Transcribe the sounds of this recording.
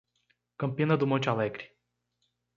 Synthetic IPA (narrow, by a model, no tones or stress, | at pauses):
kəmpinəd̪umot͡ʃʲaleɡrʲ